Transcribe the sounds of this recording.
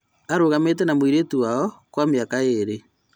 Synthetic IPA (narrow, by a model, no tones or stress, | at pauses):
aɾoɣametɛnamwiɾetuwaɔkwameakaeɾe